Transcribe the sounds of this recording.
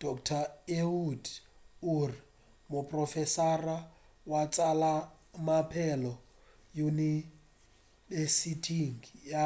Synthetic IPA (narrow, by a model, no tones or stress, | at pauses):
d̥ɔkʰʼtʰaeuduri | mʊpʼrɔfɛsara | wat͡sʼala | mapʰɛlɔ | juni | vesitʰiŋja